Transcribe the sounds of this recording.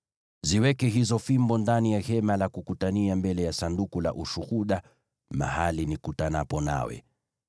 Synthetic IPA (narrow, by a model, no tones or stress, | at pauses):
ziwɛkɛɦizɔfimbɔndanijahɛmalakukutaniambɛlɛjasandukula̰ʔuʃuhuɗa | ma̰halinikutanapɔna̰wɛ̰